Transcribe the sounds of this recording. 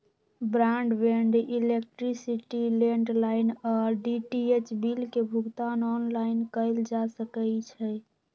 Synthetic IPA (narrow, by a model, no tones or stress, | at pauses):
bɾaɳɖbeɳɖilek̚ʈɾisiʈileɳɖlaɪnɔɾɖiʈiet͡ʃbilkebʱuɡt̪anɔnlaɪnkəɪld͡ʒasəkət͡ʃʰɛ